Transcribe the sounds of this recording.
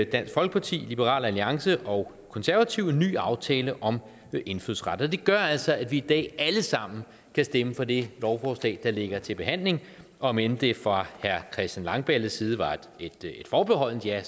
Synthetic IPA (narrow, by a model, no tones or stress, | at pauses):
d̥æn̰sɡ̥fɒ̽lɡ̥ə̥pʰɑ̈t͡sʰḭːlib̥əʁɑ̰̈ːlæliɑ̈ŋsəʔɒ̽ʊ | kʰɒ̽nsæɐʋæt͡sʰiʊny̰ːɑ̈ʊt͡sʰɛːləʔɒ̽m | e̝nfyðˠsʁɑd̥ɐɒd̥e̝ɡ̥ɶɐæl̰sɒ̽ædʋiːd̥ɛ̰ːæləsɑ̈m̰n̩ | kʰæsd̥eməfɒ̽d̥e̝lɒʊfɒsd̥ɛ̰ːd̥̚ɑ̈le̝ɡ̥ɐt͡sʰe̝lb̥e̝ɦæn̰le̝ŋʔɒ̽mend̥e̝fʁɑ̈hæɐkʰɛsd̥ænlɑ̈ŋb̥æləsiːð̞ˠʋɑ̥̈ | ed̥e̝d̥fɒːb̥eɦɒ̽l̰n̩əd̥jæ